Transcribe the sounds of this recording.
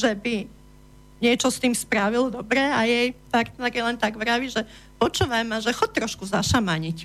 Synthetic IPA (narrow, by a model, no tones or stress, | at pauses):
ʒɛbi | ɲɪɛt͡ʃɔst̪iːmspɾaʋild̪ɔbɾɛajɛjpaɾt̪nɛɾjɛlɛnt̪aɡʋɾaʋiʒɛ | pɔt͡ʃuːʋajmaʒɛxɔc̚t̪ɾɔʃkuzaʃamaɲic